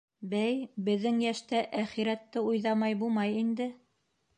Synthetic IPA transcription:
bæjbɘ̆ðːɘŋjæʃt̪æʔæχiɾæt̪ːɘujðɑmɑjbulˠmɑjind̪ɘ

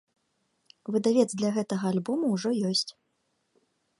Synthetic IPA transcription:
vɨd̪avʲɛt̪zd̪lʲɐɣɛt̪ɐɣɐːlʲbɔmuwʐɔjɔsʲt͡sʲ

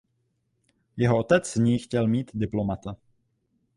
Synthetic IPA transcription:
jɛɦoʔo̞t̪ɛt͡sɲijxcɛlmiːt̪dɪplo̞mat̪a

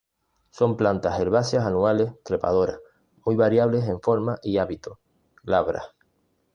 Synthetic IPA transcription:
so̞mplant̪ase̞ɾβasjasanuale̞ht̪ɾe̞pa̰ð̞o̞ɾah | mujβaɾjaβle̞se̞ɱfo̞ɾmaʔiaβit̪o | laβɾa̰h

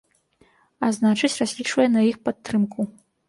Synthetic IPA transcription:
aznat͡ʂɨt͡sʲrazʲlʲit͡ʂvɐjɛnɐjixpat̪ːɾɨmkʰu

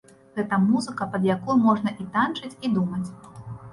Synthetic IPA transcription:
ɣɛt̪ɐmuzɨkɐpɐd̪jakɔjmɔʐnɐʔit̪ant͡ʂɨt͡sʲid̪umɐt͡sʲ

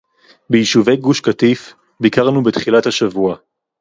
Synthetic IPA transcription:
bejiʃuve̞jɡuʃkatif | bikaʁnubet̪χilathaʃavua

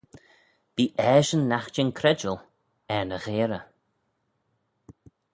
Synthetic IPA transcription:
b̥iːʔɛːʒənːaxt͡ʃɪnkʰɾɛd͡ʒʊl | ɛɹnəɣeːɾə

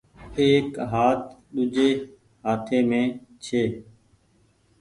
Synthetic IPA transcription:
eːkɦaːt̪ʰɗʊd͡ʒeː | ɦaːt̪ʰeːmẽːt͡ʃʰeː

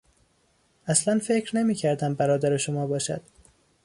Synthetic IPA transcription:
æslænfe̞cʰɾne̞miːcʰæɾd̪æmbæɾɒːd̪æɾe̞ʃomɒːbɒːʃæ̰d̪̥

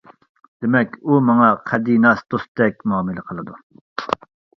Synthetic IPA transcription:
d̪̥emɛkʲumɑŋɑqʰɛd̪inɑsd̪ost̪ɛkʲmuɑːmɨlɪqʰəlˠɨd̪u

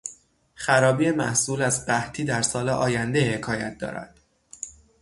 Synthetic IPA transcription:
χæɾɒːbiːe̞mæ̰hsuːlæzbæht̪ʰiːd̪æɾsɒːleʔɒ̰ːjænd̪e̞hekʰɒːjæ̰t̪̚ʰd̪ɒ̰ːɾæ̰d̪̥

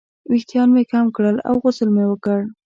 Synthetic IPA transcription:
wixt̪jɑnmekamkɽəla̰wɣʊsəlmewəkəɽ

